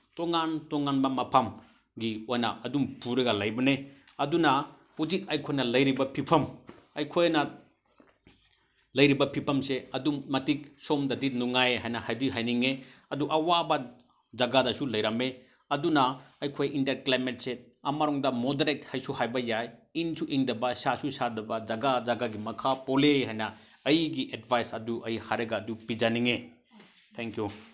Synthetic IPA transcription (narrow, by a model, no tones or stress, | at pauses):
toŋantɔŋanbɐmɐpʰam | ɡiojnɐɐdumpuɾeɡɐlɐjbɐne | ɐdunɐ | huzik̚ɐjkʰojnɐlɐjɾibɐpʰipʰɐm | ɐjkʰojnɐ | lɐjɾibɐpʰipʰɐmseɐdumːɐtik̚sɔmdɐdit̚nuŋajeɦajnɐhajdiɦajniŋeɐduʔɐwabɐ | d͡ʒɐɡadɐsulɐjɾɐme | ɐdunɐɐjkʰojʔintɐɾklajmet̚se | ɐmɐɾoŋdɐmodeɾet̚hajsuhajbɐjajiŋsuʔiŋdɐbɐsasusadɐbɐd͡ʒɐɡad͡ʒɐɡaɡimɐkʰapoleɦajnɐ | ɐjɡiʔedbʱajsɐduʔɐjhaɾɐɡɐːdupid͡ʒaniŋe | t̪ʰeŋkju